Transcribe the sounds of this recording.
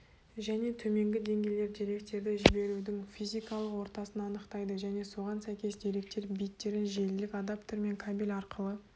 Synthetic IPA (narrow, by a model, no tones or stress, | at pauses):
ʒæne̞t̪ʰɵme̞ŋɡʲɪd̪e̞ŋɡʲe̞jle̞ɾd̪e̞ɾe̞kt̪e̞ɾd̪ɪʒɪbe̞ɾud̪ɪŋfijzijkɑlˠəqwo̞ɾt̪ɑsənɑɑnəqt̪ɑjd̪əʒæne̞so̞ʁɑnsæjkʲe̞sd̪e̞ɾe̞k̚t̪e̞ɾbijt̪ːe̞ɾɪnʒe̞lɪlɪkʲad̪apt̪oɾme̞ŋkʰabilʲɑɾqəlˠə